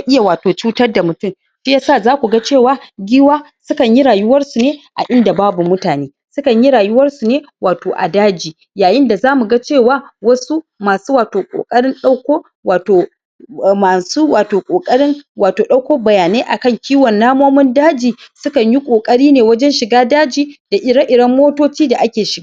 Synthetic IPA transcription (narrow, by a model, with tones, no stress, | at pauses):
ʔɪ˦ja˨waː˨toː˨t͡ʃuː˦tɐ˦rda˨mʊ˨tʊ˦˨m | ʃi˦ja˦saː˦˨zaː˦kʷu˨ɡa˦t͡ʃeː˦˨waː˨˦ɡʲɪː˦waː˦ | sʊ˦kɐ˨ɲji˦ɽaː˨jʊ˦wɐ˦rsu˨neː˦ʔa̰˨ʔɪ˦nda˨baː˦bu˨mʊ˦taː˨neː˦ | sʊ˦kɐ˨ɲji˦ɽaː˨jʊ˦wɐ˦rsu˨neː˦waː˨toː˨ʔa̰˨daː˦d͡ʒiː˨ | jaː˨jɪ˦nda˨zaː˦mu˨ɡa˦t͡ʃeː˦˨waː˦wɐ˦su˦maː˨suː˦waː˨toː˨kʼo̰˨kʼɐ˦ɽɪ˦nɗa˦wkʷoː˦ | waː˨toː˨ | maː˨su˦waː˨toː˨kʷʼoː˨kʼɐ˦ɽɪ˦ŋwaː˨toː˨ɗa˦wkʷoː˦bɐ˨jaː˨neː˦ʔa˨kɐ˦ŋkʲiː˦wɔ˨nːaː˦moː˦mʊ˦ndaː˦d͡ʒiː˨sʊ˦kɐ˨ɲji˦kʷʼoː˨kʼɐ˦ɽiː˦neː˨wɐ˦d͡ʒɛ˦nʃɪ˨ɡaː˦daː˦d͡ʒiː˨d̥a˨ʔɪ˨ɽɐ˦ʔɪ˨ɽɐ˦mːoː˦toː˦t͡ʃiː˦da˨ʔa˦kʲeː˨ʃɪ˨ɡaː˦